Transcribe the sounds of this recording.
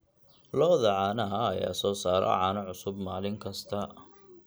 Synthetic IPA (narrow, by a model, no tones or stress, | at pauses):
lɔːðɐʕɑːnɐɦɐːja̰ːsɔːsaːɾɔ̰ʕɑːnɐʕʊsʊbmaːlɪŋkʰɐst̪ʰɐ